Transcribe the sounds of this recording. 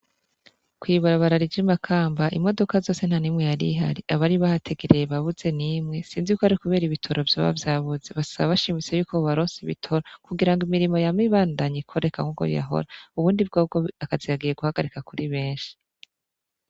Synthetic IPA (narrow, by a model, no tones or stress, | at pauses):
kwiːβaɾaβaɾaɾid͡ʒimakʰaːmbaʔimo̞do̞kazo̞ːse̞n̥hanimŋe̞jaɾḭɦa̰ɾiaβaɾiβahatʰe̞ɡeɾejeβaβuze̞nimŋe̞siːnzijuːkoaɾikuβe̞ːɾiβitʰo̞ɾovjo̰βa̰vjaːβuze̞βasaβaβaʃiːmit͡se̞juːkoβaɾoːnsiβḭtʰo̞ɾakuɡiɾaŋɡimiɾimo̞jamiβaːndaɲikʰo̞ɾekaŋuɡo̰ja̰ɦo̞̰ɾauβuːndibɡobɡoakazijaɡije̞ɡuhaɡaɾikakuɾiβe̞ːnʃi̥